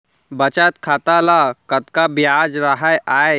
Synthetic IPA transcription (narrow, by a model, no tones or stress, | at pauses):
bət͡ʃat̪kʰat̪alakət̪kabjad͡ʒɾaɦajʔae